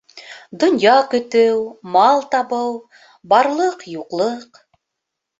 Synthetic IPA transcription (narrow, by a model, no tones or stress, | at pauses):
d̪ŏnjɑkɵ̆t̪ɘwmɑlˠt̪ɑβɤw | bɑɾlˠɤqjuqlˠɤq